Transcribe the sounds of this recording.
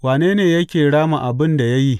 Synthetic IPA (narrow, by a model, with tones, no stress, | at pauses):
waː˨neː˦neː˨jɐ˦kʲeː˨ɽaː˦ma˨ʔa˨bɪ˦nda˨jɐ˦ji˦